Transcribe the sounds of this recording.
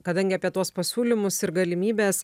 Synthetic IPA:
kɐd̪ɐŋʲɡʲɪɐpʲiɛt̪uɔspɐsʲuːlʲɪmʊsɪɾɡɐlʲɪmʲiːbʲeːs

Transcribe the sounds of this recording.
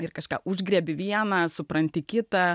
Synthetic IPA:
ɪrkɐʃkɑ̰ːʊʒʲɡɾʲɛbʲɪʋʲiɛnɐsʊpɾɐnʲt̪ʲɪkʲɪt̪ɐ

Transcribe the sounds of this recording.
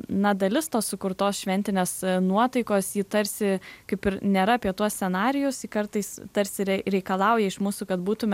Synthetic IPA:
nɐd̪ɐlʲɪst̪oːssʊkʊɾt̪oːsʃʲʋʲɛnʲt̪ʲɪnʲeːsnuɔt̪ɐɪkoːsjiːt̪ɐɾʲsʲɪkɐɪpɪɾnʲeːɾɐɐːpʲiɛt̪uɔsʲsʲɛnɑːɾʲɪjʊsikɐrt̪ɐɪst̪ɐɾʲsʲɪɾʲɛɾʲɛɪkɐlˠɐʊjɛɪʃmuːsuːkɐt̪̚buːt̪ʊmʲɛ

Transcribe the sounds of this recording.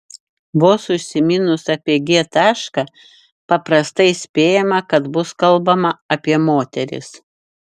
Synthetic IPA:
ʋoːsʊʃʲsʲɪmʲɪnʊsɐpʲiɛɡʲiɛt̪ɑːʃkɑ | pɐpɾɐst̪ɐɪsʲpʲeːjɛmɐkɐd̪bʊskɐlˠbɐmɐɐpʲiɛmoːt̪ʲɛɾʲɪ̰s

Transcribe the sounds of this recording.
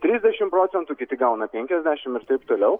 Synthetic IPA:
t̪ʲɾʲiːzʲd̪ʲæʃʲɪmpɾoːtt͡s̪ʲɛnt̪ukʲɪt̪ʲɪɡɐʊnɐpʲɛŋʲkʲɛzʲd̪ʲæːʃʲɪmɪɾt̪ɐɪpt̪oːlʲɛʊ

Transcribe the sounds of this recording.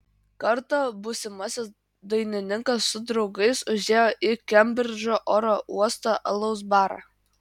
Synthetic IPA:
kɐɾt̪ɐbʊsʲɪmɐsʲɪs | d̪ɐɪnʲɪnʲɪŋkɐsːʊd̪ɾɒʊɡɐɪsʊʒʲeːjoːʔɪkʲɛmʲbʲɾʲɪɾʲd͡ʒʲoːʔoːɾoʔuɔst̪oʔɐlˠɐʊsbɑːɾɑ̰ː

